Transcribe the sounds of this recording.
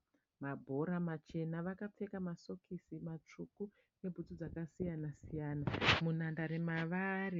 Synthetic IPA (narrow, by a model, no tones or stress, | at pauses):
mabʱo̞ɾamat͡ʃe̞naʋakap͡fe̞kamaso̞kʰisimat͡ʂuku | ne̞bʱutud͡zakasijanasijaːnamunandaɾemaʋaːri